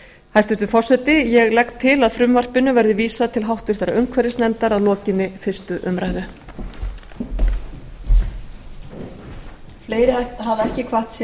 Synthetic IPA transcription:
hajst̪ʏst̪ʏfɔr̥sɛt̪ɪjɛɣlɛkt̪ʰːɪlaðfɾʏmvar̥pɪnʏvɛɾðɪviːsat̪ʰɪlɦawht̪ʏ̥ɾ̥θɛɾaʏŋkʰvɛɾɪst̪nɛnt̪aɾaðlɔːcɪnːɪfɪr̥st̪ʏʔʏmɾajðʏ | fleːjɾɪaɦavɛhcɪkʰvaht̪s

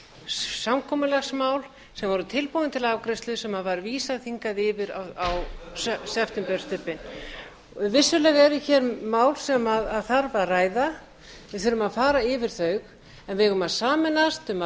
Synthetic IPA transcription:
samkʰɔːmʏlaxsmaːwl | sɛmvɔɾʏt̪ʰɪlpowɪnt̪ʰɪlavkɾɪst̪lʏsɛmhaðvaɾviːsaðθiŋkaðɪːvɪɾa̰awssɛft̪ʏmpɛɾ̥st̪ʏpːɪn | vɪsːʏlɛɣɛɾʏçɛɾmaːwlsɛmaðaðθaɾvaraːjða | vɪðθʏɾʏmaðfaːɾaɪvɪɾ̥θœɥx | ɛnvɪɣʏmaðsaːmɪnast̪ʏma

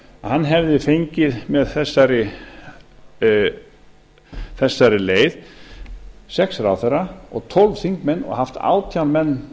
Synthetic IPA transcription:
hanːɦɛvðɪfejɲcɪðmɛðθɛsːaɾɪ | θɛsːaɾɪleːjð | sɛksɾawθɛɾaɔ̰ɣt̪ʰɔlvθiŋkmɛnːɔ̰ɣhaft̪a̰ːwt̪ʰjawnmɛnː

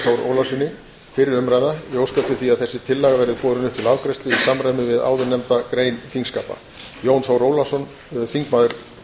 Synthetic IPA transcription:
owɾʔo̰ːwlasʏnːɪ | fɪɾɪɾʏmɾajðajowskat̪ʏθiaðθɛsːɪt̪ʰɪlːɛɣavɛɾɪðpɔːðɾʏnʏht̪ʰɪlaːwkɾɛjst̪ʏisamɾajmɪvɪða̰ːwðʏnɛmt̪akɾeːjnθiŋskaːpa̰ | joːwnsoːwɾoːwlasɔn | θiŋkmaːðʏɾ̥

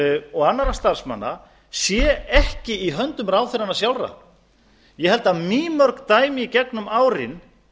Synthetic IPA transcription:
ɔɣanːaɾast̪ar̥sma̰nːa̰ | sjɛɛhcɪiɦœnt̪ʏmɾaːwθɪɾanasjawlra̰ | jɛɦɛlt̪aðmiːmœɾkt̪aːjmɪicɛknʏmaːwɾɪ̰n

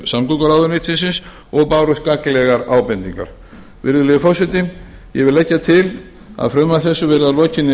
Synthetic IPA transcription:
samkukaɾawðʏɾnɪt̪ʰfɪnsɪns | ɔɣpaːwɾʏskaklɛɣaɾaːwpɛnt̪iŋka̰ɾ̥ | vɪ̰ɾðʏlɪɪfɔsʏt̪ɪ | jɛɣvɪlɛcːat̪ʰɪl | a̰ðfɾœmaθɛsːʏvɛɾðalɔːcɪnːɪ

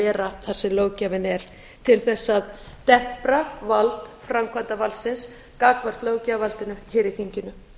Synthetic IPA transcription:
ɛːɾaθaɾ̥sɛmloːwcavɪnɛɾ̥ | t̪ʰɪlθɛsːað | t̪ɛm̥pɾavalt̪fɾamkʰvant̪avalsɪns | kaːkvar̥t̪loːwcavalt̪ɪnʏçɪːɾiθiɲcɪnʏ

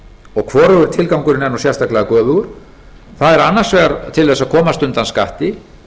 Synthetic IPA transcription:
ɔɣkʰvɔːɾʏɣʏɾt̪ʰɪlkawŋkʏɾɪnɛnːɔsjɛst̪aklɛɣakœːvʏɣʏɾ̥ | θaðɛɾanːar̥svɛːɣaɾt̪ʰɪlθɛsaðkʰɔːmast̪ʏnt̪anskaht̪ɪ

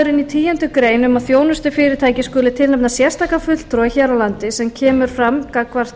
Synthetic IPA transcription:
ɾɪnit̪ʰiːjɛnt̪ʏkɾeːjnʏmaðθjoːwnʏst̪ʏfɪːɾɪt̪ʰaːjcɪskʏːlɪt̪ʰɪlɛpnasjɛst̪aːkafʏl̥t̪ɾɔiçɛɾawlant̪ɪsɛmcʰɛːmʏɾ̥fɾamkakʰvar̥t̪

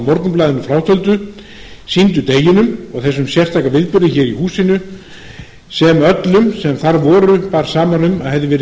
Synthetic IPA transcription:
mɔɾt̪nʏmplaːðɪnʏfɾawt̪ʰœlt̪ʏ | sint̪̬ʏt̪eːjɪnʏmɔɣθɛsːʏmsjɛr̥t̪ʰajkavɪðpʏɾðɪçɛːɾihuːsɪnʏ | sɛmœt̪lʏmsɛmθaɾvɔːɾʏpaːɾ̥saːmanʏmaðhɛvðɪvɛːɾɪ

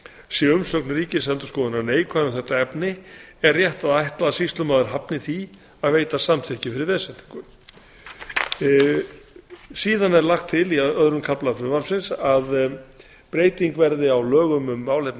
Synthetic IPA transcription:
sjɛʏmsœknɾiːcɪsɛnt̪ʏ̥skɔːðʏnaɾneːjkʰvaːʏθɛht̪aɛpnɪɛrːjɛht̪aðajht̪laðasist̪lʏmaðɪɾ̥ɦapnɪθi | aðveːjt̪asamθʰɪhcɪfɪɾɪɾvɛːsɛnt̪i̥ŋkʏm | siːðanɛɾlaxt̪ʰːɪliœðɾʏmkʰaplafɾʏvaɾfsɪnsað | pɾeːjt̪iŋkvɛɾðɪawlœːɣʏmʏmːaːwlejpn

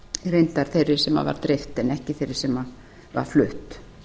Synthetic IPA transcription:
rejnt̪aɾ̥θejɾɪ̥sɛma̰va̰ɾt̪ɾɪft̪ɛnɛhcɪθejɾɪɾ̥sɛma | va̰ɾ̥flʏht̪

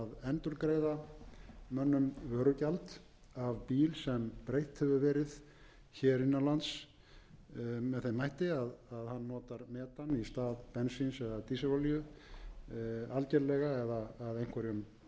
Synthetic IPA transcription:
ðɛnt̪ʏɾkɾejða | mœnːʏmvœːɾʏcalt̪ | avpiːlsɛmpɾejht̪hɛvʏvɛːɾɪð | çɛːɾinːalant̪s | mɛðθejmajht̪ɪaðaðhanːɔːt̪aɾmɛːt̪anist̪aːðpɛnsinsɛðat̪iːsavaljʏ | alcɛɾlɛɣaɛðaːðejŋ̥kvɛɾʏm

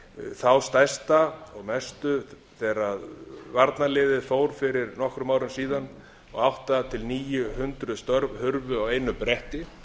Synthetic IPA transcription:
θawst̪ajst̪aɔɣmɛst̪ʏ | θɛːɾaðvaɾt̪nalɪːðɪðfoːwɾ̥fɪɾɪɾnɔhkɾʏmaːwɾʏnsiːðan | ɔɣawht̪at̪ʰɪlniːjʏhʏnt̪ɾʏst̪œɾvhʏɾvʏawejnʏpɾɛht̪ɪ

